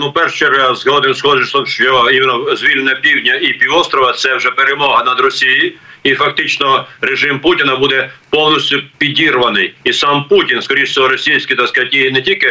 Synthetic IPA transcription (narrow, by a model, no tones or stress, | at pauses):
nupɛrʃt͡ʃɛɾazɦɔd̪ɪmsxɔd͡ʒɪʃt̪ɔmʃt͡ʃɔimenɔzʲʋʲilʲnnɐpʲiwdʲnʲɐipʲiʋɔst̪ɾɔʋɐt̪sɛwʒɛpeɾemɔɦɐnɐd̪ɾɔsʲijiifɐk̚t̪ɪt͡ʃnɔɾeʒɪmputʲɪnɐbud̪ɛpɔwnisʲtʲʊpʲidʲirʋɐnɪjisɑmputʲinskɔɾʲiʃʲɔɦɔɾɔsʲijsʲkʲɪt̪asktʲːiɦɪnɛtʲilʲkɪ